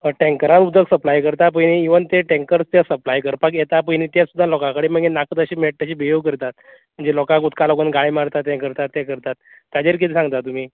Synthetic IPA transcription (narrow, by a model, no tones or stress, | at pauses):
əʈɛ̃ŋkəɾanud̪ʱəksəplajkəɾt̪ap̬əjniiʋənt̪eʈẽŋkəɾst̪jasəplajkəɾpakjet̪apəjniːt̪jasud̪ʱːalɔkãkəɽiːm̤ə̃ɳd͡ʑenakət̪əɕiːmeʈ̚t̪aɕiːbijoɡkəɾt̪at̪̚ | m̤əɳd͡zelɔkãkut̪kalɔkənɡaɭiːmaɾt̪at̪jɛ̃kəɾt̪at̪ːɛ̃kəɾt̪at̪ː | jad͡ʑeɾk̬it̪ʰisãŋɡt̪at̪um̤iː